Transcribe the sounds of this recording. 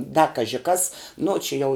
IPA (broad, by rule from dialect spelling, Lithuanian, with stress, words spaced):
dɐ ˈkɑːʒʲɪ kɐs ˈnʊ t͡ʃʲɪ ˈjɛʊ